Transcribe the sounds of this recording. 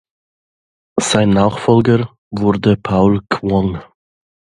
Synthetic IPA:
z̥aɪnːaːχfɔlɡə | vʊʁdəpʰaʊlkʰvɔŋ

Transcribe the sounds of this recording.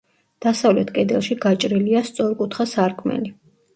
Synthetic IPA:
d̪̥asavlɛt̪ʰkʼɛd̪ɛlˠʃiɡat͡ʃʼɾiliast̪sʼɔɾkʼut̪ʰχasaɾkʰmɛ̰li

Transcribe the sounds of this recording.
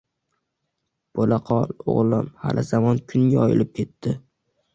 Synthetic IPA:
b̥olaqʰɒlˠo̰ʁlˠɪmha̰lʔɪzamɒnkʲʰʊŋɡʲaɒjɪ̰lɪp̚kʲʰe̞t̪ʰːɪ

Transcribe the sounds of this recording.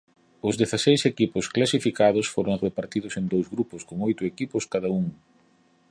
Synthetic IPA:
ʊzðeθasejsekipʊsklasifikað̞ʊsfoɾʊŋrepaɾt̪iðʊsend̪owzɣɾupʊskoŋojt̪ʊekipʊskaðɐuŋ

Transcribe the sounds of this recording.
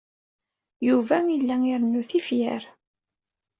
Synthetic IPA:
juvæilːæŋiɾənːuθifjæ̰ɾ

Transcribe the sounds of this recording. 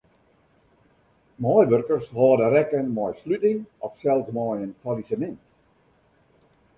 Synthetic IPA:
mɔjʋørkərsɦɔːdəɾɛkənmɔjslytɪŋɔfsɛlˠsmɔjənfalisəmɛnt

